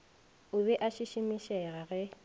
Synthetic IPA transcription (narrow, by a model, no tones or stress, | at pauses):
ʊβɛʔaʃiʃɪmiʃɛɣaɣɛ